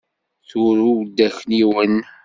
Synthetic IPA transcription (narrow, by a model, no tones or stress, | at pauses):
θʊɾuwd̪ːæçniwən